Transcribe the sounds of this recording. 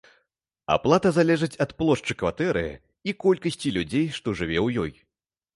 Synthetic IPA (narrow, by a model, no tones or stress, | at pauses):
a̰plˠat̪ɐzalʲɛʐɨt͡sʲɐt̪plˠɔʂt͡ʂɨkvat̪ɛɾɨ̰ | ikɔlʲkɐsʲt͡sʲilʲud͡zʲejʂt̪ɔʐɨvʲɛwjɔj